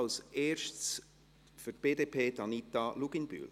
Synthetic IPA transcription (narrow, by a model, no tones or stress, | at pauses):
lsʔeːʃts | fyt̚b̥eːdepʰeːd̥ɑnit̪ɑluɡ̥inby̰l